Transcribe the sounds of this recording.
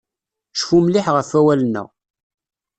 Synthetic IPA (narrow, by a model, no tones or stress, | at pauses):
ʃfumlɪħʁəfæwælənːæ̰